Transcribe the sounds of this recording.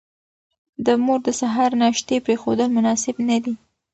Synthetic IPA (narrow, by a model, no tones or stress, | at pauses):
d̪əmoɾd̪əsaɦɑɾnaʃt̪epɾexod̪əlmʊnɑsɪbnad̪i